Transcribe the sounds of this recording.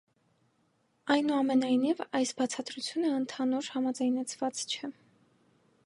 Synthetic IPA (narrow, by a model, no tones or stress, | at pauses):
ɑjnuɑmɛnɑjn̪ivɑjsbɑt͡sʰɑt̪ɾut͡sʰjunəənt̪ʰɑnuɾhɑmɑd͡zɑjnɛt͡sʰvɑt͡st͡ʃʰɛ